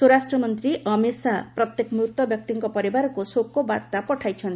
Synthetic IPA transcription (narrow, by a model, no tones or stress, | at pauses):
soɾasʈɾɔmɔnt̪ɾiʔɔmesapɾɔt̪jekɔmɾut̪wɔbjɔk̚t̪iŋkɔpɔɾibaɾɔkusokːobaɾt̪apɔʈʰajt͡ʃʰɔnt̪